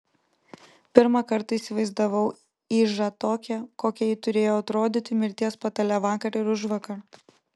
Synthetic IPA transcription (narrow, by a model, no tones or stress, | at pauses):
pʲɪɾmɐkɐɾt̪ɐisʲɪʋɐɪzd̪ɐʋɐʊ | iːʒɐt̪oːkʲɛkoːkʲɛjɪt̪ʊɾʲeːjoːɐt̪ɾoːd̪ʲiːt̪ʲɪmʲɪɾʲt̪ʲiɛspɐt̪ɐlʲɛʋɑːkɐɾɪɾʊʒʋɐkɐɾ